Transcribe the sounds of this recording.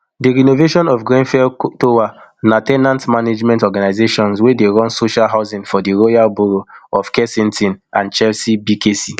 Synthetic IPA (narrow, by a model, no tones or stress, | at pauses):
diɹinoveʃɔ̃nɔfɡɹẽnfɛltowanatɛnãntmaned͡ʒmɛ̃ntɔɡanaɪzeʃɔ̃nswedeɹɔ̃nsoʃalɦaʊzĩŋfɔdiɹojalbuɹoɔfkɛsĩntĩnãnt͡ʃɛlsibikesi